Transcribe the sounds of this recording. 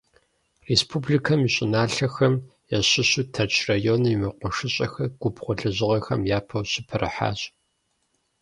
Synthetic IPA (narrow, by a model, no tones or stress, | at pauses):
respʰublikʰɐmiɕʼɪnaːɬɐxɐmjɛɕɪɕutʰɐrt͡ʃʰrajonjimɐqʷɔʂɨɕʼɐxɐɡ̥ʷʊbχʷʊɬɨʑɪʁɐxɐmjaːpʰɐwɕɪpʰɐrɨ̰ħa̰ːɕʼ